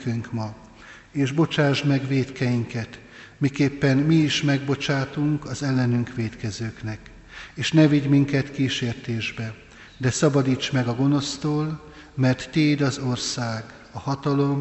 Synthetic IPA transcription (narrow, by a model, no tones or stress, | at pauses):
kyŋkmɒ | eːʒbo̞t͡ʃaːʒmɛɡʋeːt̪kɛjiŋkɛt̪ | mikeːpːɛnmiːʃmɛɡbo̞t͡ʃaːt̪uŋkɒzɛlːɛnyŋkʋeːt̪kɛzøːknɛk | eːʃnɛviɟmiŋkɛt̪kiːʃeːrt̪eːʒbɛ | d̪ɛsɒbɒd̪iːt͡ʃmɛɡɒɡo̞no̞st̪oːl | mɛrt̪ːeːd̪ɒzo̞rsaːɡ | ɒhɒt̪ɒlo̞m